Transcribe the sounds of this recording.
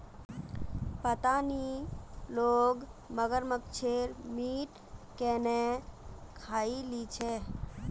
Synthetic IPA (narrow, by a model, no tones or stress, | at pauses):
pət̪aniloɡməɡəɾməkt͡ʃʰeɾmiʈ | kɛne | kʰailit͡ʃʰɛ